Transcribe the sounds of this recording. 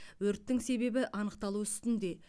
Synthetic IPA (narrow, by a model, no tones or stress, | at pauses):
wɵɾt̪ːɪŋse̞be̞bɪʔɑnəqt̪ɑlˠuʏst̪ɪnd̪e̞